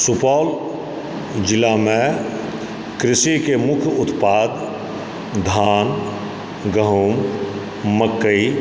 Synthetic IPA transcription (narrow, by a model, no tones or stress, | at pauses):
sʊpɔːl | d͡ʒɪlamẽ | kɾɪsikemʊkʰʊt̪paːd̪ | d̪ʱaːn | ɡəɦuːmː | əkːəi